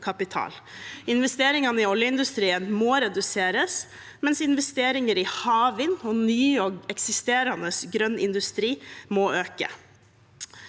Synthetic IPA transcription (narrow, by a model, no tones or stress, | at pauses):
kʰɑpɪt̪ʰɑ̰ːlɪnʋɛst̪eːɾɪŋɑnəɪɔljəɪnd̪ʉst̪ɾiːənmoːɾɛd̪ʉseːɾəs | mɛnsɪnʋɛst̪eːɾɪŋəɾɪhɑːʋɪnɔnyːɔɛksɪst̪eːɾɑnəsɡɾœnːʔɪ̰nd̪ʉst̪ɾiːmoːøːkə̰